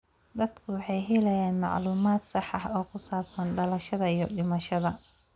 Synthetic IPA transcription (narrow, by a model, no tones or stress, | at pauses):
d̪ɐd̪kʰʊwɑħɑjɦɛlɐjaːnmɑ̰ʕluːmaːd̪sɑħɑħɔːkʰʊsaːbsɐnɖɐlɐʃɐðɐijɞɖɪmɐʃɐðɐ